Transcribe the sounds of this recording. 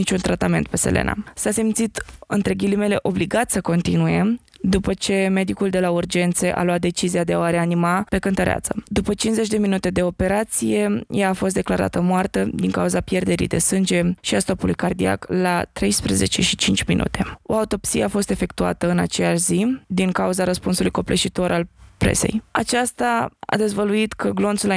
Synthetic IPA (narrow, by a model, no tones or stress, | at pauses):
nit͡ʃunt̪ɾat̪ame̞nt̪̚peselʔḛna̰sasemt̪sit̪ɨ̰nt̪ɾe̞ɡʲilime̞le̞ʔo̞bliɡat̪ʲsəko̞nt̪inuje̞ | d̪upət͡ʃe̞me̞d̪ikuld̪e̞laurd͡ʒe̞nt̪se̞ʔa̰lwat̪̚d̪e̞t͡ʃiziad̪eaoaɾeanimape̞kɨnt̪əɾeʔa̰t̪səd̪upət͡ʃinzet͡ʃʲd̪e̞minut̪e̞d̪e̞o̞pe̞ɾat̪sije̞jaːfo̞s̬t̪d̪e̞klaɾa̰t̪əmoart̪əd̪iŋkauzapje̞rd̪e̞ɾḭjd̪e̞̰sɨnd͡ʒe̞ʃiast̪o̞pulujkard̪ia̰klat̪ɾe̞jspɾeze̞̰t͡ʃe̞ʃit͡ʃint͡ʃʲmḭnṵt̪e̞o̞aut̪o̞psijeafo̞st̪e̞fe̞kt̪ua̰t̪əɨnat͡ʃejaʃzid̪iŋkauzaɾəspunsulujko̞plḛʃit̪o̞ɾʔalpɾe̞̰se̞̰jat͡ʃast̪aa̰d̪e̞zvəluit̪kʰəɡlo̞nt̪sula